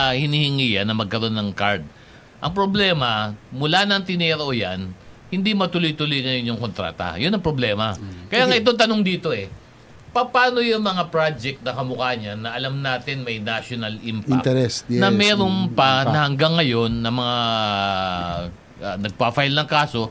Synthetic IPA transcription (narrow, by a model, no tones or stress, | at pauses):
hɪnihɪŋiːjɐnːɐmɐɡ̚kɐɾo̞nːɐŋkaɹd̪̚ | ʔɐŋpɾoblɛːmɐmʊlanɐŋt̪ɪnɛɾo̞janhɪnd̪imɐt̪ʊlojt̪ʊlojŋɐjonːʊŋko̞nt̪ɾa̰ːt̪ɐ̰jʊnɐŋpɾoblɛːmɐkɐjaŋɐʔɪt̪o̞ŋt̪ɐnoŋd̪iːt̪o̞ʔɛ | pɐpaːnojʊŋmɐŋapɾad͡ʒɛk̚t̪̚nɐkɐmʊkaːɲɐnɐʔɐlamnaːt̪ɪnmɐjnaʃonɐlʔimpat̪ɛɾɛsnɐmmɛːɾo̞npɐnɐhɐŋɡaŋːɐjo̞nːɐmɐŋa | ɐnɐɡ̚pafajlnɐŋkaːso̞